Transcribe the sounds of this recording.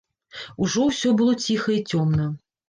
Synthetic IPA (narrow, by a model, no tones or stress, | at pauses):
uʐɔwsʲɔbɨlˠɔt͡sʲixɐit͡sʲɔmnɐ